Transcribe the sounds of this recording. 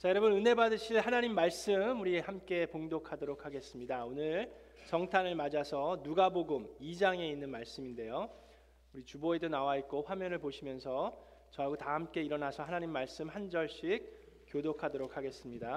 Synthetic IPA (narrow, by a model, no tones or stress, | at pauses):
t͡ɕajʌɾʌbɯnɯnebadɯɕʰiɭhanaɲimːaɭs͈ɯmuɾihamk͈e̞poŋdokʰadoɾokʰaɡe̞s͈ɯmɲidaonɯɭ | t͡ɕʌŋtʰanɯɭmad͡ʑasʰʌnuɡaboɡɯmid͡ʑaŋe̞inːɯnmaɭs͈ɯminde̞jo | uɾit͡ɕuboedonawait̚k͈oɸwamjʌnɯɭpoɕʰimjʌnsʰʌ | t͡ɕʌaɡotahamk͈e̞iɾʌnasʰʌhanaɲimːaɭs͈ɯmhand͡ʑʌɭɕ͈ik̚ | k͈ːjodokʰadoɾok̚ʰaɡe̞s͈ɯmɲida